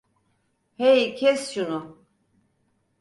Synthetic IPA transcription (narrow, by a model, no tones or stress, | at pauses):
hɛjkʰɛsjunu